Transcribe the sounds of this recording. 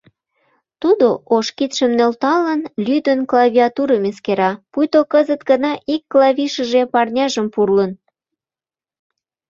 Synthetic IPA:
t̪ud̪oʔoʃkit̪ʃəmnølt̪ɑlənlyd̪ənklɑvʲiɑt̪uɾəmeskeɾɑpujt̪okəzət̪ɡənɑʔikːlɑβʲiʃəʒepɑrnʲɑʒəmpurlən

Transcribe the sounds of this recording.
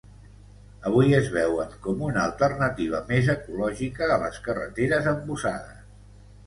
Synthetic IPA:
əβ̞ujəzβɛwəŋkɔmunəəlˠt̪ərnət̪iβ̞əmezəkulɔʒikəːlə̰skərə̰t̪eɾəzəmbusaðəs

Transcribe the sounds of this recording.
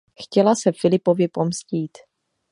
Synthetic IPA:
xcɛlasɛfɪlɪpo̞vjɪpo̞msciːt̪

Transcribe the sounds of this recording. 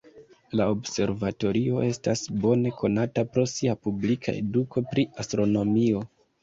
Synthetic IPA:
laobse̞ɾvato̞ɾio̞ʔe̞stasbo̞ne̞kʰo̞natapɾo̞siapublikʰa̰e̞̰dukʰo̞pɾiastɾo̞no̞mio̞

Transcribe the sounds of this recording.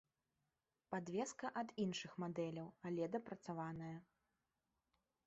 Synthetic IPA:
pad̪vʲɛskɐʔɐd̪inʂɨxmad̪ɛlʲɐwalʲɛd̪ɐpɾɐt̪savanɐjɐ

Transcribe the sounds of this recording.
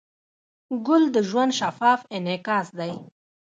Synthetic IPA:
ɡʊld̪əʒwand̪ʃafɑːfɪnekɑːsd̪aj

